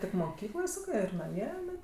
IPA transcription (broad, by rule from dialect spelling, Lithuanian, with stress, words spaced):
tʲɪk moːˈkʲiːklˠoːj ˈsɑːkɜ ɪr nɐˈmʲiɛ ɪˈnɐɪ